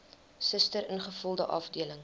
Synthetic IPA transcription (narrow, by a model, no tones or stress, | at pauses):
səstəɾənχəfulˠdəʔɐfdiələŋ